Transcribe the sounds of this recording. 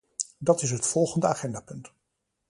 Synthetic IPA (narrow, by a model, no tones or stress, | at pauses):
dɑtɪs̬ɦətfɔlˠχəndəaːχɛndaːpɵnt